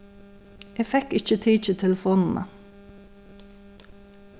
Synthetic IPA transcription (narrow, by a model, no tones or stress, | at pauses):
ʔeːfɛkɪçət̪ʰiːc͡çət̪ʰɛləfoːnn̩ʔə̰